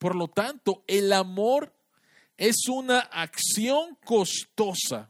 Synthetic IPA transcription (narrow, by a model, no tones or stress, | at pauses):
poɾlo̞t̪ant̪o̞e̞lamoɾ | e̞sunaʔaksjo̞ŋko̞st̪o̞sa̰